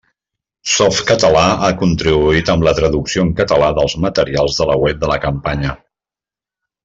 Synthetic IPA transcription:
sɔft̪kət̪əlaakunt̪ɾiβuit̪əmlət̪ɾəðuksioəŋkət̪əlaðəlˠzmət̪əɾialˠzðələwɛp̚d̪ələkəmpaɲə

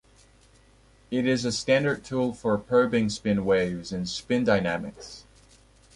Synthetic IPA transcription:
ɪɾɪzɨstæ̃ndə˞d̚tʰulˠfə˞pʰɹ̥oʊbɪ̃ŋspɪ̃nweɪvzɨ̃nspɪ̃ndaɪnæmɨ̰ks

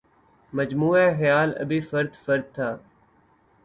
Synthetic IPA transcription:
məd͡ʒmuːɛːxjaːlə̰biːfəɾd̪fəɾd̪̚t̪ʰːaː

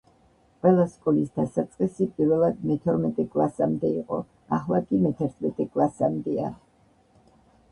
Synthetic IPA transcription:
qʼwɛlˠaskʼɔlisd̪asat̪sʼqʼisipʼiɾvɛlˠad̪mɛt̪ʰɔɾmɛt̪ʼɛkʼlˠasamd̪ɛiqʼɔ̰ | aχlˠakʼimɛt̪ʰɛɾt̪ʰmɛt̪ʼɛkʼlˠasamd̪ɛa

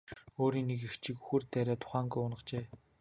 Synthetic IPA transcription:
oːɾiːŋnːek̬ext͡ɕɪ̆kuxɵ̆rt̪æɾʲaːt̪ʰʊ̥χaːŋɡujʊnə̆χt͡ɕeː

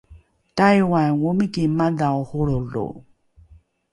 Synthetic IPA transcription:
tajwanwomikimadaohoɾolo̰

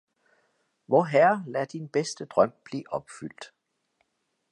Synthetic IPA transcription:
ʋɒɦæɐlæd̥inb̥esd̥əd̥ʁœm̰b̥liːʔɒ̽b̥fyl̰d̥

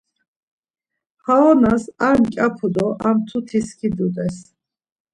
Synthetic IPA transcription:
haɔnasaɾmkʲʼapʰud̪ɔʔamt̪ʰut̪ʰiskʰid̪ud̪ɛs

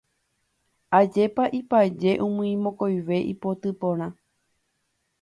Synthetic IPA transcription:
ad͡ʒe̞paʔipad͡ʒe̞ʔũmɨ̃ĩmõkojʋe̞ʔḭpo̞t̪ɨpõɾ̃ã

